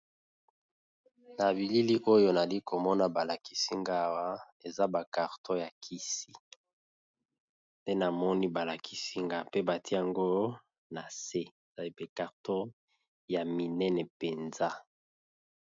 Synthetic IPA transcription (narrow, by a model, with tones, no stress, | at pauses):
na˨βi˨li˦li˦ʔo˦jo˦na˨li˦kʰo˨mɔ˦na˦ba˨la˨ki̥˦si˦ŋɡa˦˨wa˦ | e˨za˦ba˨ka˨ʁtʰo˦ja˨kʰi˦si˨ | nde˦na˨mɔ˦ni˦ba˨la˨kʰi̥˦si˦ŋɡa˦pe˦ba˨tʰi˦a˨ŋɡo˦ | na˨se˦e˨za˨li˦pe˨ka˨ʁto˦ | ja˨mi˨nɛ˦nɛ˨pe˨nza˦